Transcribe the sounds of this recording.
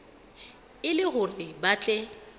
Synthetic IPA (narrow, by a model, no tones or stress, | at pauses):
ɪlɪɣʊrɪbat͡ɬʼɛ